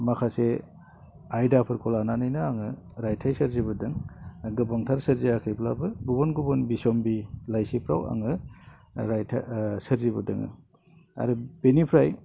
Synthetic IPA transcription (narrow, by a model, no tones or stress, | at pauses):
makʰase | ajdapʰɯɾkʰɔlananɯjnɯaŋɯ | ɾajtʰajsɐɾziβɯdɯŋɡɯbɔŋtʰaɾsɯɾziakʰɯjpʰlabɯɡubɔnɡubɔnbisɔmbilajsipʰɾawa̰ŋɯ | ɾajtʰasɯɾziβɯdɯŋɯ̰ | a̰ɾɯb̥enipʰɾaj